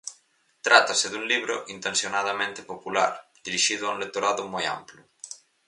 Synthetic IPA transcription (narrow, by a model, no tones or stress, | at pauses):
t̪ɾʔat̪aseðuŋliβɾo̰ʔint̪ensjonaðamẽnt̪e̥popula̰ɾd̪̥iɾiʃiðʊaũlek̚t̪oɾaðʊmoja̰mplʊ